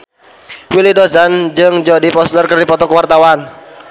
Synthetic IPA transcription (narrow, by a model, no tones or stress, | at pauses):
wilidozand͡ʒɨŋd͡ʒɔdipɔst̪ərkərdipɔt̪ɔkəwart̪awan